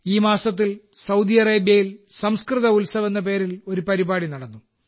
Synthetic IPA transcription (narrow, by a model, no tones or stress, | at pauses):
iːmaːsɐt̪̬ːilsɐwd̪ijɐreːbjɐjilsɐmskrɨðɐulsɐʋɐnːɐp̬e̞ːɾilo̞ɾupɐɾibaːɽinɐɽɐnːu